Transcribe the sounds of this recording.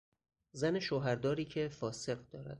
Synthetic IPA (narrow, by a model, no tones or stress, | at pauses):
zæne̞ʃoːɦæɾd̪ɒːɾiːcʰe̞fɒːse̞ɢd̪ɒːɾæ̰d̪̥̚